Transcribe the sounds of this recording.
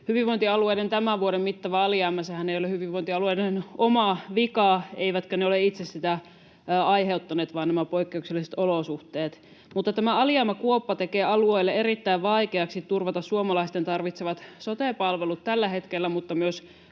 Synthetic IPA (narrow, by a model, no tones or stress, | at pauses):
hyʋiʋoint̪iɑlueident̪æmæʋʋuoɾemmit̪ːɑʋæɑljɑːmæsehæneijolehyʋiʋːoint̪iɑlueidenomɑʋikɑːeiʋæt̪køneoleit̪sessit̪æ | ɑiɦeut̪ːɑneːt̪ʋɑˑːnæmæpoikːeukselːˑiset̪olosuht̪eːt̪ | mut̪ːɑt̪æmæɑljɑːmɑkuopːɑt̪ekeːɑluejlːeeɾit̪ːæiʋʋɑikeɑksit̪ːurʋɑt̪ɑssuomɑlɑist̪ent̪ɑrʋit̪seʋɑt̪sot̪eˑpɑlʋelut̪t̪ːælːæhet̪kelːæmut̪ːɑmyøs